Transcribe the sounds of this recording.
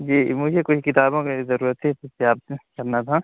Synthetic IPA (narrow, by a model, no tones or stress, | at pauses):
d͡ʒiːmʊd͡ʒʱekʊt͡ʃʰkɪt̪aːbõkezɐɾuːɾət̪ʰit̪ʊseaːb̚kɐɾnat̪ʰa